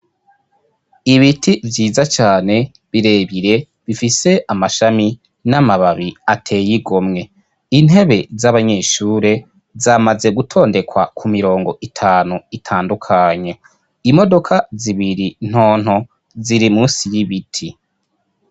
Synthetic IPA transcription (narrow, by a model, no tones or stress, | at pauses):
iβitʰivjiːzat͡ʃaːne̞ | βiɾe̞ːβiɾe̞ | βifise̞ʔamaʃami | namaβaβiatʰe̞ːjiɡo̞mŋe̞ | in̥ɦe̞βe̞zaβaɲe̞ːʃuːɾe̞ | zaːmaze̞ɡutʰo̞ːnde̞kʰwa̰kʰumiɾo̞ːŋɡo̞ʔitʰaːnuitʰaːndukʰaɲe̞ | imo̞do̞kʰaziβiɾin̥ho̞ːn̥ho | ziɾimuːsijiβitʰi